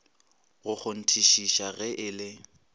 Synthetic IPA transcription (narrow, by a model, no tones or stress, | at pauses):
ɣʊk͡xʊn̩tʰiʃiʃaɣɛʔɪːlɪ